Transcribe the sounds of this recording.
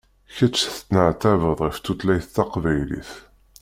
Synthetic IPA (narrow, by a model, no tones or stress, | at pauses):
çæt͡ʃːθt͡sːnəʕt̪ævəðˤʁift̪ːut̪læjθt̪ːæqvæjlḭθ